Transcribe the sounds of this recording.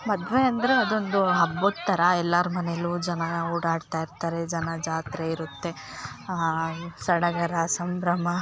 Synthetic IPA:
mɐd̪ʋeɐnd̪ɐɾeɐd̪o̞nd̪uɦɐbːod̪t̪ːɐɾɐɛlːaɾumɐnelud͡ʒɐnɐuːɽaːɖt̪aːjiɾt̪aːɾe̞d͡ʒɐnɐd͡ʒaːt̪ɾeiɾut̪ːe̞ | sɐɽɐɡɐɾɐsɐmbɾɐmɐ

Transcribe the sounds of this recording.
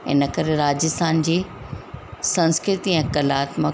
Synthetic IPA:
ɪ̰nəkɐɾeɾaːd͡ʑɪst̪ʰaːnd͡ʑiː | sɐ̃nskɾɪt̪iɛ̃kɐlaːt̪mə

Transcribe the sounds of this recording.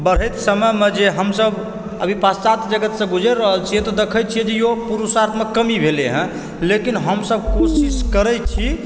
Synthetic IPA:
bəɽ̤ɛjt̪səməmed͡ʒeɦəmsəb | ə̰bʱipassat̪d͡ʒəɡət̪sə̃ɡud͡ʒəɾɾəɦəlt͡ʃʰijet̪ɔd̪ekʰət͡ʃʰiɛd͡ʒejopuɾusat̪məkːəmibʱeleɦə̃ | lekinɦəmsəbkosiskəɾɛjt͡ʃʰi

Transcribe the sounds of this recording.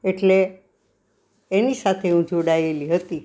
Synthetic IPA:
eʈle | enisat̪ʰeũd͡ʑʱoɽajeliːɦət̪i

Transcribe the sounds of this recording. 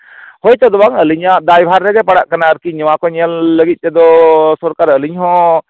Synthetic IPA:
hɔjt͡ʃ̪ɔd̪ɔbaŋəliɲaʔd̪ajbʱaɾːɛɡɛpaɽa̰ʔkanaəɾkiɲɔwãkɔɲəlːəɡit̪̚t͡ʃɛd̪ɔsɔɾkaɾəliɲɦɔ̃

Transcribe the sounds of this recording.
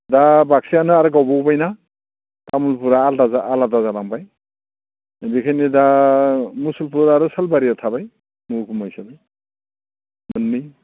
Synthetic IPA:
dabak̚sianɯaɾɯɡawbɔwbajna | tamulpuɾaːldazaaladazalaŋpaj | bikʰajnida | musulpuɾɾaɾɯsalbaɾiatʰabaj | mɯkʰumajsabaj | mɯnːi

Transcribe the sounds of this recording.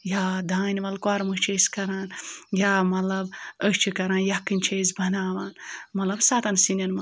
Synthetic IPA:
jaːd̪ʱaːniʋɐlkwaːɾmɨʃt͡ʃʰeskɐɾaːnjaːmɐlɐbəʃt͡ʃʰikɐɾaːnjakɨnʲt͡ʃʰezbʱɐnaːʋaːnmɐlɐbsaːt̪ɐnsinʲɐnmɐ

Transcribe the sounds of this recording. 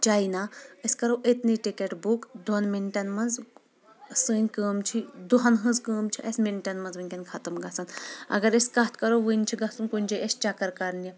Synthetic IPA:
d͡ʒainaəsʲkɐɾoʔet̪niʈikeʈbukd̪onmiɳʈʲɐnmɐnz | sɨːnʲkəːmt͡ʃʰid̪uɦɐnɦɨnzkəːmt͡ʃʰiʔɐsmiɳʈʲɐnmɐnzʋɨnʲkʲɐnkʰɐt̪ɐmɡɐsɐnɐ̰ɡɐɾeskɐt̪ʰkɐɾoʋɨnʲt͡ʃʰiɡɐsunkunʲd͡ʒɐʔest͡ʃɐkɐɾkɐɾni

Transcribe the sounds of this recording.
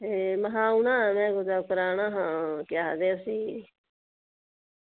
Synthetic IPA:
eməɦãːunãːmɛ̃ːɡod͡ʒaːkəɾaːnãːɦãːkjaːɦd̪eːəsiː

